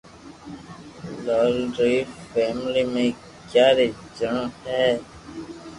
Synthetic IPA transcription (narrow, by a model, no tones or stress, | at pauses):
loːlɾiːfeːmliːmẽː | kjaːɾeː | d͡ʒəɳõːhɛː